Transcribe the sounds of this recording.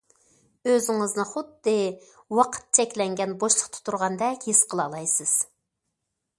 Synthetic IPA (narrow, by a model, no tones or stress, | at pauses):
øzɪŋɨznɨχʊd̪ːɨ | wɑqʰə̥t̪̚t͡ʃʰɛkʲlɛŋɡʲɛnboʃlˠəqt̪ʰu̥t̪ʰuɾʁɑnd̪ɛkʲhisqʰəlˠɑlˠɑjsɨz̥